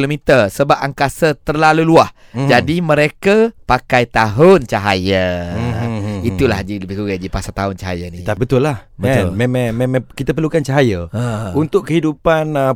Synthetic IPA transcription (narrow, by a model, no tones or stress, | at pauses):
lomit̪ərsəbap̚aŋkasət̪ərlaluluah | d͡ʒadimə̃ɾekapakajt̪aɦʊnt͡ʃaɦajə | it̪ulad͡ʒiləbihkuɡad͡ʒipasat̪aɦʊnt͡ʃaɦa̰jənit̪abət̪ʊlːahəalmemãŋmemãkit̪əp̬ərlukant͡ʃaɦajəaunt̪ʊkkəɦidupan